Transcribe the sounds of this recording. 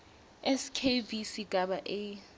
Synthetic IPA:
ɛskʰevisiɡ̥ʱaɓaʔe

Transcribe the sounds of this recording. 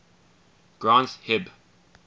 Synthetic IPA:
ɡ̥ɹãnshɪb

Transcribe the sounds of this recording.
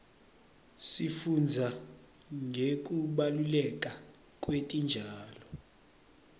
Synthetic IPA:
sifund͡zʱa | ŋɡʱek̬ʼuɓalulɛk̬ʼa | kʼwetʼind͡ʒʱaːlɔ

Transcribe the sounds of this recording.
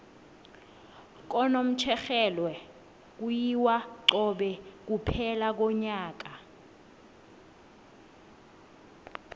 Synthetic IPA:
k̬ɔnom̩t͡ʃʰɛxɛlwɛ | k̬ujiwaǁɔɓɛk̬upʰɛlak̬ɔɲaːk̬a

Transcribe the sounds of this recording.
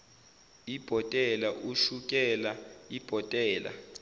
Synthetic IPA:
ib̥ʱɔtʼɛlaʔuʃuk̬ʼɛlaib̥ʱɔtʼɛːla̰

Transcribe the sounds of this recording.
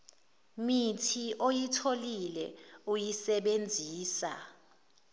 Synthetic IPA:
mitʰiʔojitʰolilɛ̰ujisɛɓend͡zʱiːsa̰

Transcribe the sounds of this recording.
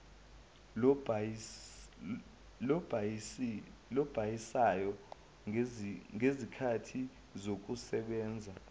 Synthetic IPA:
lɔbʱ | lɔb̥ʱajisajɔ | ŋezikʰatʰi | zok̬usɛɓɛːnd͡zʱa

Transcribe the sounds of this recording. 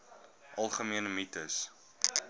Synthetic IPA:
ʔɐlˠχəmiənəmitəs

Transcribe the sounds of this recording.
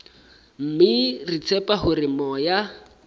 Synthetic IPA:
m̩mɪrit͡sʰɛpaɦʊrɪmɔja

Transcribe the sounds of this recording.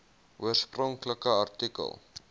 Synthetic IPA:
ʔuərsprɔŋkləkəɐrtikə̰lˠ

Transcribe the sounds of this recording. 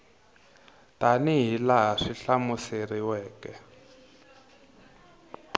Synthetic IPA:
taniɦilaɦaʂiɬamuseriwɛːkɛ

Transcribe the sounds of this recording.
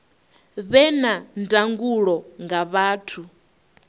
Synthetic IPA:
βɛnandaŋɡuɺɔŋɡaβaːtʰu

